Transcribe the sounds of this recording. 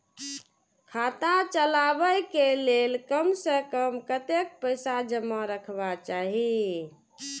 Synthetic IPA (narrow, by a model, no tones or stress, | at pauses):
kʰat̪at͡ʃəlabəjkelelkəmsə̃kəmkət̪ek̚pəɪsad͡ʒəmːaɾəkʰbat͡ʃaɦi